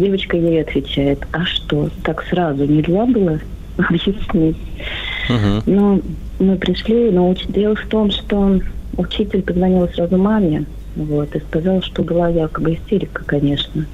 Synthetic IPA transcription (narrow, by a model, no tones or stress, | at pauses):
dʲe̞vət͡ɕkəjejɐt̪vʲɪt͡ɕæjɪt̪ɐʂt̪o̞t̪aksɾazʊnʲɪd̪zʲabɨlˠə | ɐbjɪsʲnʲitʲ | no | mɨpɾʲɪʂlʲinoot͡ɕdʲe̞lˠəft̪o̞mʂt̪o̞ʊt͡ɕitʲɪlʲpəzvɐnʲilˠsrazʊmamʲɪ | vo̞t̪ɨskɐzɑlˠʂt̪o̞bɨlˠajakəbɨɪsʲtʲeɾʲɪkə̥kɐnʲe̞ʂnə